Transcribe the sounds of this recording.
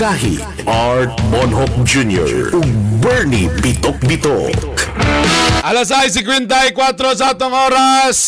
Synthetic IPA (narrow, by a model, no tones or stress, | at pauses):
aɦḭ | ʔaɹt̪̚mɔnɦɔk̚d͡ʒunjɔ̰ɹʔʊɡ̚bɛɹnipɪt̪ok̚bɪt̪ok | ʔalas̬aɪs̬ɪkwɛnt̪̬ajkwat̪ɾos̬ɐat̪oŋʔoːɾas